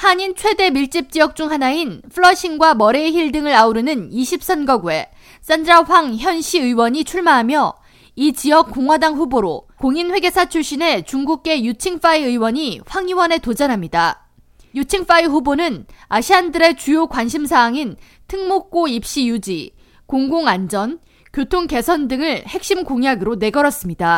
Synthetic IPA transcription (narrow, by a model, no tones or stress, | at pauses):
haɲint͡ɕʰwe̞de̞miɭt͡ɕ͈ip̚t͡ɕ͈iʌk̚t͡ɕ͈uŋɦanainpʰɯɭːʌɕʰinɡwamʌɾeçiɭdɯŋɯɾauɾɯnɯniɕʰip̚s͈ʌnɡʌɡue̞̰ | s͈and͡ʑaɸwaŋçjʌnɕʰiɯiwʌɲit͡ɕʰuɭmaɦamjʌ | it͡ɕiʌk̚k͈oŋwadaŋɸuboɾo̰koŋinɸwe̞ɡe̞sʰat͡ɕʰuɭɕ͈ine̞t͡ɕuŋɡuk̚k͈e̞jut͡ɕʰiŋf͈aiɯiwʌɲiɸwaŋiwʌne̞tod͡ʑʌnɦamɲida | jut͡ɕʰiŋf͈aiɸubonɯnaɕʰiandɯɾe̞t͡ɕujokwanɕʰimsʰaːŋin | tʰɯŋmok̚k͈oip̚ɕ͈ijud͡ʑi | koŋɡoŋand͡ʑʌn | kjotʰoŋke̞sʰʌndɯŋɯɭhe̞k̚ɕ͈imkoŋjaɡɯɾone̞ɡʌɾʌs͈ɯmɲida